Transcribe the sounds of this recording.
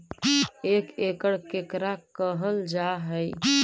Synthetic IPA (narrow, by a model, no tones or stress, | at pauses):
ekekəɽkekɾakəɦəld͡ʒaɦəj